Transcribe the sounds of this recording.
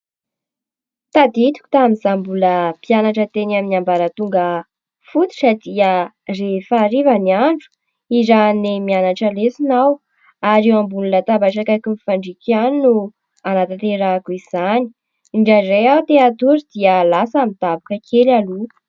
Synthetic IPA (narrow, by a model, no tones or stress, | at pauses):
t̪ad̪it̪u̥ku̥t̪amizambuləpianaʈ͡ʂət̪enaminambaɾət̪uŋɡə | fut̪u̥sad̪iə | refaɾivaniaɳɖ͡ʐu̥ | izanemianaʈ͡ʂəlesinaw | aɾewambululət̪abaʈ͡ʂakakimifaɳɖ͡ʐikaninu | anat̪at̪eɾakuiz̥ani̥ | iɳɖ͡ʐarejawt̪eat̪uɾid̪iəlasamit̪abakəkʰelalu